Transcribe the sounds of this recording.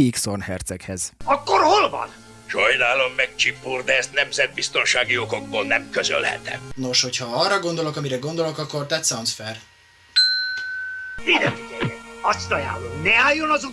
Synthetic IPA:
iksonhɛrt̪sɛkhɛz̥ɒkːoɾho̞lvɒ̰n | ʃɒjnaːlomːɛk̚t͡ʃipːoːrd̪ɛɛst̪nɛmzɛd̪̚bist̪o̞nʃaːɡioɡo̞ɡ̚boːlnɛmkøzø̰lhɛ̰t̪ɛ̰mno̞ʃho̞chɒɒrːɒɡo̞nd̪o̞lo̞kɒmiɾɛɡo̞nd̪o̞lo̞kɒkːo̞rt̪ɛt̪sɒnt̪sfɛr | zid̪ɛit̪ejɛɒst̪ɒja̰ːlomnɛaːjːonɒzu

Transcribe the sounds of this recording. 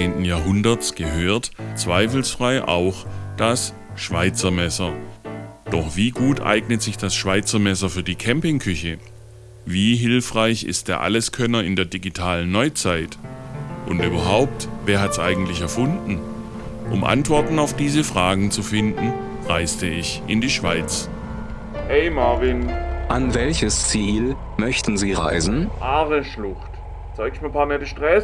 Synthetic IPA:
eːntn̩jaːɐɦʊndɐt͡sɡ̥əɦøːɐtt͡sv̥aɪfl̩sfʁ̥aɪʔa̰ʊxd̥as | ʃv̥aɪt͡sɐmɛsɐ | d̥ɔχv̥iːɡuːtʔa̰ɪɡnətz̥ɪçd̥asʃv̥aɪt͡sɐmɛsɐfyːɐdiːkʰɛmpɪŋkʰʏçə | viːɦɪlfʁ̥aɪçɪ̰st̚d̥eːɐʔa̰ləskʰœnɐɪndeːɐdiɡitʰaːlənːɔʏt͡saɪtʔʊ̰ntyːbɐɦaʊp̚tveːɐɦatsʔa̰ɪɡŋ̩tlɪçɛɐfʊndn̩ | ʔʊ̰mʔa̰ntv̥ɔɐtn̩aʊfd̥iːzəfʁ̥aːɡŋ̩t͡sufɪndn̩ | ʁaɪstəɪçʔɪ̰ndiːʃv̥aɪt͡s | ɛɪmavɪnʔanvɛlçəst͡siːl | mœçtn̩ziːʁa̰ɪzn̩ʔaːʁəʃlʊxt | t͡saɪɡʃmiːɐpʰaːɐnɛtəʃtʁɛs

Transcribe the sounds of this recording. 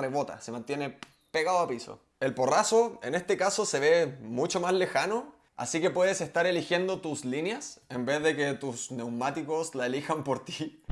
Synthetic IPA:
reβo̞t̪a̰semant̪je̞ne̞ | peɣaðoapiso̰ | e̞lpo̞rasoenest̪ekaso̞se̞βemut͡ʃomasle̞xano | a̰sike̞pwe̞ðesest̪aɾelixje̞nd̪o̞t̪uslinjasembe̞ððeket̪usne̞wmat̪iko̞slaelixampoɾt̪i

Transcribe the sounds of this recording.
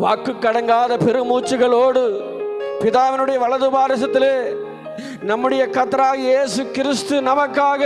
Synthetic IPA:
ʋa̰ːkːɯkːɐɽɐŋɡaːðɐpɛɾɯmuːt͡ʃːɯɣɐɭoːɽɯ | pɪðaːʋɐnɯɽɐjɐʋɐɭɐðɯbaːɾɐsɐt̪ːɪleː | nɐmːɯɽɐjɐkɐt̪ːɐɾaːɣɐeːsɯkɪɾɪst̪ɯnɐmɐkːaːɣɐ

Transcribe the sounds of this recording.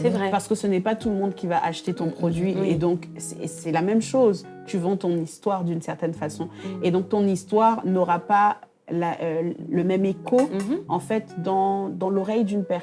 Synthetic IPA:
sɛvʁɛpaʁsə̥kəsənɛpat̪ulmɔ̃d̪kʲivaʔaʃt̪et̪ɔ̃pχɔd̪ɥied̪ɔ̃ksɛsɛlamɛmʃoz | t̪yvɑ̃t̪ɔ̃nist̪waʁd̪ynsɛʁt̪ɛnfasɔ̃ed̪ɔ̃k̚t̪ɔ̃nist̪waʁnɔʁapa | laʔøləmɛmekoɑ̃fɛt̪d̪ɑ̃d̪ɑ̃lɔʁɛjd̪ynpɛʁ

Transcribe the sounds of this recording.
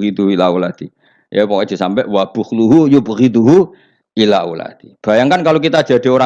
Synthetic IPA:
ɣit̪uɦuilaulat̪i | japokɔd̪i̤sampɛʔwab̥ʊ̤hluɦujupəɣit̪̬uɦu | ilaṵla̰t̪i̥b̥a̤jaŋkankalokit̪ḁd͡ʒ̥ä̤d̥i̤oɾa

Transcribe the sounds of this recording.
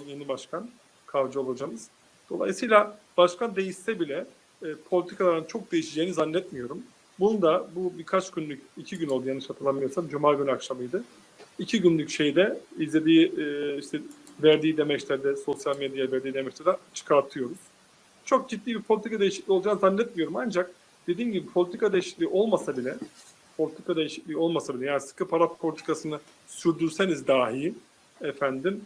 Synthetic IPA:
jenibaʃkʰan | kʰavd͡ʒɯo̞lˠad͡ʒamɯz̥ | d̪̥o̞lˠa̰jsɯjlʲabaʃkʰand̪e̞jiʃt̪ɛbilʲɛː | pʰo̞lʲit̪ʰi̥kʰalˠaɾɯnt͡ʃʰo̞k̚d̪e̞jiʃid͡ʒeːnizanːɛt̪mijo̞ɾum | bunud̪abubiɾkʰat͡ʃɟ̥ynlʲycicʰiɟynolˠd̪ujanɯʃat̪ʰɯlˠamɯjoɾsamd͡ʒumaːɡynakʃamɯjd̪ɯ | icʰiɟynlʲycʃe̞jd̪ɛizlʲe̞d̪iːiʃt̪ʰɛvæɾd̪iːd̪emɛct̪ʲæɾd̪ɛso̞sjalʲmed̪javæɾd̪iːd̪emɛt͡ʃt̪ʰɛd̪ɛt͡ʃʰɯ̥kʰaɾt̪ʰɯjo̞ɾuz̥ | t͡ʃʰo̞k̚d͡ʒit̪ːiːbiɾpʰoit̪ikʰad̪ejiʃiclʲiolˠd͡ʒaːnzanlːʲɛt̪̚mijo̞ɾumand͡ʒak̚ | d̪̥e̞d̪iːnɟibipʰo̞lʲit̪ʰikad̪e̞jiʃi̥clʲiːʔo̞lˠmasabilʲɛ | pʰo̞lʲit̪ʰi̥kad̪e̞jiʃi̥clʲiːo̞lˠmasabilʲɛjaːnisɯ̥kʰɯpʰaɾappʰo̞lʲit̪ʰi̥kʰasɯnɯ | syɾd̪yɾse̞nizd̪aːɦij | ɛfænd̪im

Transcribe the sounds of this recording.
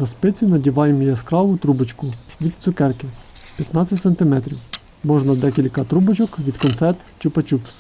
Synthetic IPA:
nɐspɪt͡sʲinɐdʲiʋɑjemɔjɐskɾɑʋʊt̪ɾubɪt͡ʃkʊʋʲid̪t̪sʊkɛrkɪ | pʲjɐt̪nɑt͡sʲɐtʲsent̪ɪmɛt̪ɾʲiw | mɔʒnɐd̪ɛkʲilʲkɐt̪ɾubɪt͡ʃɔkʋʲid̪kɔnfɛt̪ | t͡ʃʊpɐt͡ʃups

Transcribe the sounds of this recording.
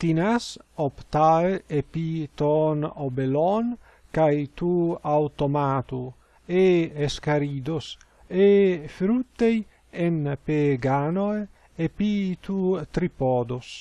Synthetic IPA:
t̪inasopt̪aepit̪onobelɔn | kajt̪uawt̪omat̪u | eeskaɾiːd̪os | efɾut̪ːej | enpeɡanoe | epit̪ut̪ɾipɔːd̪os

